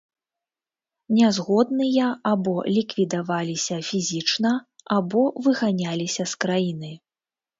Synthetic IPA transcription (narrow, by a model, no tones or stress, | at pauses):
nʲɛzɣɔd̪nɨjɐabɔlʲikvʲid̪avalʲisʲɐfʲizʲit͡ʂnɐabɔvɨɣanʲalʲisʲɐskɾajinɨ